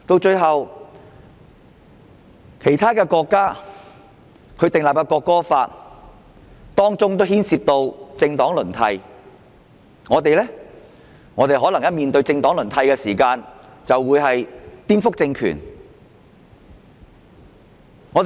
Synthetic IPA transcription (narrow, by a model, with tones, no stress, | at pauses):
t̪o˧wt͡ʃɵ˧ɥɦɐ˨w | kʰe˨˩jt̪ʰaː˥kɛː˧kɔː˧kːaː˥ | kʰɵ˧ɥt̪ɪ˨˩ŋlaː˨p̚kɐ˧kɔː˧kːɔː˥faː˧t̚ | t̪ɔː˥ŋt͡sʊ˥ŋt̪o˥whiː˥nsiː˧p̚t̪o˧wt͡sɪ˧ŋt̪ɔː˨˥ŋlɵ˨˩nt̪ʰɐ˧j | ŋɔː˨˧t̪e˨jlɛː˥ | ŋɔː˨˧t̪e˨jɦɔː˨˥lɐ˨˩ŋjɐ˥t̚miː˨nt̪ɵ˧ɥt͡sɪ˧ŋt̪ɔː˨˥lɵ˨˩nt̪ʰɐ˧jkɛː˧siː˨˩kaː˧nt͡sɐ˨wːuː˨˧˥jɦɐ˨jt̪iː˥nfʊ˥k̚t͡sɪ˧ŋkʰy̰ː˨˩n | ŋɔː˨˧t̪